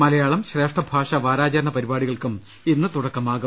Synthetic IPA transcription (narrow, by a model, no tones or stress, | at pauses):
mɐlɐjaːɭɐmɕre̞ːʂʈɐbʱaːʂɐʋaːɾaːt͡ɕɐɾɐɳɐpɐɾibaːɽiɣɐɭkum | inːɨt̪uɽɐkːɐmaːɣu